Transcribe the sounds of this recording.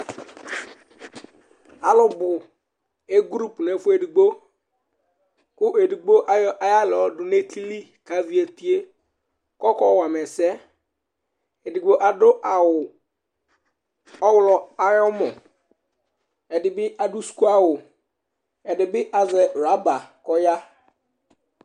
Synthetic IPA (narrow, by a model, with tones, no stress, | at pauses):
a˨lʊ˨bʊ˨ | e˦ɡɾu˦pne˨fʊ˦e˨di˨ɡ͡bo˦ | kʊ˦ʔe˨di˨ɡ͡bo˦ʔa˦ɔ˦ʔa˨ja˦lɛ˨ɔ˨dʊ˨ne˦ti˦li˦ | ka˨˦vi˦e˨ti˦e˦ | kɔ˦kɔ˦wa˨mɛ˨sɛ˦ | e˨di˨ɡ͡bo˦ʔa˨dʊ˦ʔa˨wʊ˨ | ɔ˦wʊ˦lɔ˨a˨jɔ˦mɔ˨ | ɛ˨dɪ˨bɪ˦ʔa˨du˦sku˦a˦wʊ˨ | ɛ˨dɪ˨bɪ˦ʔa˨zɛ˨ɾa˨˦ba˨kɔ˦ja˦